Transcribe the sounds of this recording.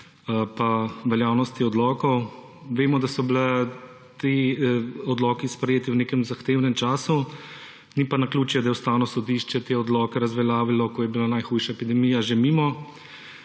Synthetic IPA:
paʋɛljaːwnɔst̪iɔd̪lɔːkɔw | ʋeːmɔd̪asɔbilɛ | t̪e | ɔd̪lɔːkispɾɛjeːt̪iwneːkɛmzaxt̪eːwnɛmt͡ʃaːsu | nipanakluːt͡ʃjɛd̪ajɛwst̪aːwnɔsɔd̪iːʃt͡ʃɛt̪eɔd̪lɔːkɛɾazʋɛljaːʋilɔkɔjɛbilanajxuːjʃaepid̪ɛmijaʒemiːmɔ

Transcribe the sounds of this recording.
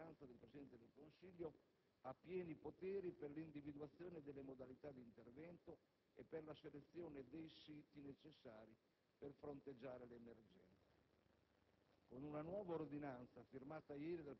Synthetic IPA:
ant̪sad̪elpɾesid̪ɛnt̪ed̪elkonsiʎːo | apːjɛːnipot̪ɛːɾiperlind̪ivid̪uat̪sːjoːned̪elːemod̪alit̪ad̪ːint̪ervɛnt̪o | epːerlaselet̪sːjɔːned̪ejsiːt̪inet͡ʃesːaːɾi | perfɾont̪ed͡ʒːaːɾeleːmerd͡ʒɛ̰nt̪se̥ | konunanwɔːvaord̪inant̪safirmaːt̪ajɛːɾid̪al

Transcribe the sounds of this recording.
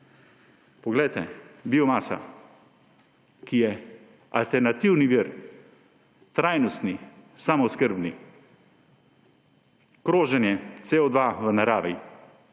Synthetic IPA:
pɔɡlɛjt̪ɛ̰biɔmaːsa̰ | kijɛ | a̰lt̪ɛɾnat̪iwniʋiɾ | t̪ɾajnɔst̪nisamɔskəɾbni | kɾoːʒɛnjɛt̪seɔd̪ʋaʋənaɾaːʋɛ

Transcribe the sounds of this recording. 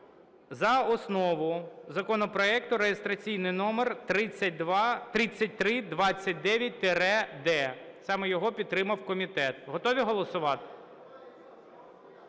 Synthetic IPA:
zɐɔsnɔʋʊjzɐkɔnɔpɾɔɛkt̪ʊɾejest̪ɾɐt͡sʲijnɪjnɔmerɾɪt͡sʲːɐd̪ʋt̪ɾɪt͡sʲːɐt̚ʲt̪ɾɪd̪ʋɑt͡sʲːɐt̚ʲd̪ɛʋʲjɐt̚ʲt̪eɾɛd̪ɛsɑmɛjɔɦɔpʲid̪̚t̪ːɾɪmɐwkɔmʲit̪ɛt̪ɦɔt̪ɔʋʲiɦɔlˠɔsʊʋɑt̪ɪ̥

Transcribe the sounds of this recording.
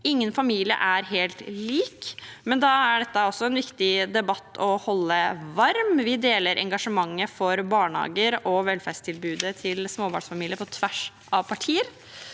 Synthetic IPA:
ɪŋːənfɑmiːlɪə̰ʔæɾɦeːlt̪liːkmɛnd̪ɑːæɖɛt̪ːəɔsːɔɛnʋɪkt̪ɪd̪ɛbɑt̪ːɔhɔlːəʋɑɾmʋɪd̪eːləɾʔɛ̰ŋɡɑʂəmɑŋːəfɔɾbɑːɳhɑ̰ːɡəɾɔʋɛlfæʂt̪ʰɪlbʉːd̪ət̪ʰɪlsmoːbɑ̰ɳsfɑmiːlɪəɾpʰɔt̪ʰʋæʂ | ʔɑʋpʰɑʈʰiːəɾ

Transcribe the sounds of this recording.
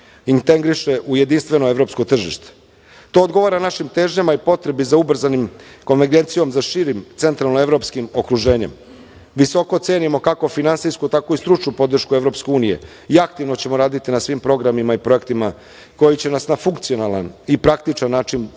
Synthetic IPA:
int̪e̞ŋɡɾiʃe̞ʔuje̞d̪inst̪ʋe̞no̞e̞ʋɾo̞pskot̪r̩ʒḭʃt̪e̥ | t̪o̞ːd̪ɡo̞ʋaɾanaʃimt̪e̞ːʒɲemaipo̞t̪ɾe̞bizaubr̩zanim | ko̞nʋeɾɡe̞nt̪sijo̞mzaʃiɾimt̪se̞nt̪ɾalˠnoe̞ʋɾo̞pskimo̞kɾuʒe̞ːɲe̞̰m | ʋiso̞ko̞t̪se̞ːnimo̞kako̞finansijskut̪ako̞ist̪ɾut͡ʃnupo̞d̪r̩ʃkue̞ʋɾo̞pske̞uːnije̞̰ | iakt̪iʋno̞t͡ɕe̞mo̞ɾaːd̪it̪inasʋimpɾo̞ɡɾamimaipɾo̞e̞kt̪ima | ko̞jit͡ɕe̞nasnafuŋkt̪sijo̞nalˠa̰nipɾakt̪it͡ʃanːaːt͡ʃin

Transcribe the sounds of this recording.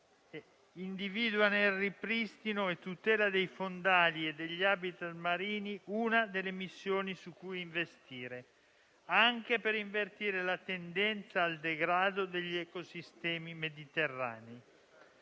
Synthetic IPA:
ind̪iviːd̪wanelripɾist̪inoet̪ːut̪ɛːlad̪ejfond̪aːlied̪eʎːiaːbit̪at̪maɾiːniunad̪elːemisːjoːnisukːujiɱvest̪iːɾe | aŋk̟epeɾiɱvert̪iːɾelat̪end̪ɛnt̪saːld̪eɡɾaːd̪od̪eʎːɛkosist̪ɛːmimed̪it̪erːa̰ːnei

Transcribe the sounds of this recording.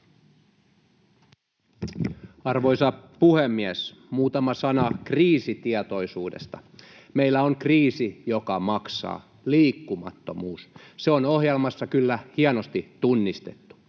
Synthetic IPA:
ɑrʋo̞jsɑpuhemːiæsmuːt̪ɑmɑsɑnɑkriːsit̪iɛt̪o̞jsuːdḛst̪ɑ | meilːæoŋkriːsijo̞kɑmɑksɑ̰ː | liːkːumɑ̰t̪ːo̞̰muːsseono̞ɦjelmɑsːɑkylːæhiɑnost̪it̪unːist̪e̞̰t̪ːu̥

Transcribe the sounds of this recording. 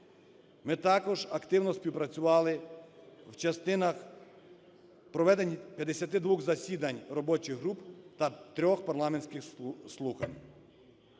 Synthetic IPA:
mɪt̪ɑkɔʒɐkt̪ɪwnɔspʲiwpɾɐt͡sʲʊʋɑlˠɪ | wt͡ʃɐst̪ɪnɐx | pɾɔʋɛd̪enʲipʲjɐd̪esʲɐt̪ɪd̪ʋuxzɐsʲid̪ɐnʲrɔbɔt͡ʃɪɣɦɾupt̪ɐt̪ɾʲɔxpɐrlˠɑmenʲsʲkɪxslˠuxɐ̰nʲ

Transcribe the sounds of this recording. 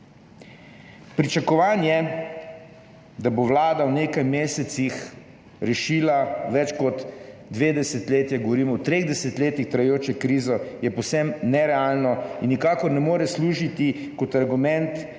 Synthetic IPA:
pɾit͡ʃakɔʋaːnjɛ | d̪abowlaːd̪awneːkajmeːsɛt̪six | ɾɛʃiːlaʋɛt͡ʃkɔt̪d̪ʋeːd̪ɛsɛt̪leːt̪jɛɡoʋɔɾiːmɔwt̪ɾeɣd̪ɛsɛt̪leːt̪ixt̪ɾajɛjoːt͡ʃɛkɾiːzɔjɛpɔwsɛmnɛɾɛaːlnɔinːikaːkɔɾnɛmoːɾɛsluːʒit̪i | kɔt̪aɾɡumɛ̃nt̪

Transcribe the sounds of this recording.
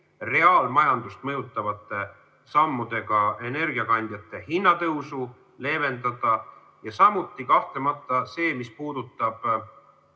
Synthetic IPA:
re̞ɑːlmɑjɑnd̪ust̪mɤjut̪ːˑɑvɑt̪ːˑe̞ | sɑmːud̪̥e̞ɡ̥ɑe̞ne̞rɡiɑkɑnʲd̪jɑt̪ːˑe̞hinːɑt̪ɤwsu | le̞ːve̞nd̪ɑd̪̥ɑ | jɑsɑmut̪ˑːikɑht̪lemɑt̪ˑːɑse̞ːmispuːd̪̥ut̪ˑːɑb̥

